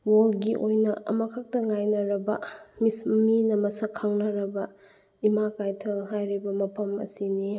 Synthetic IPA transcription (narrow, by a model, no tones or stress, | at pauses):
wolɡiʔojnɐɐ̰mɐkʰɐk̚tɐŋajnɐɾɐbɐmisminɐmɐsɐkʰɐŋnɐɾɐbɐ | imakajtʰɐlɦajɾibɐmɐpʰɐmɐ̰sini